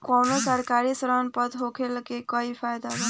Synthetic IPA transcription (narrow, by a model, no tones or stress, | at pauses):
kɔwnosəɾkaɾisɾanpəd̪ɦokʰelkekɔipʰajd̪a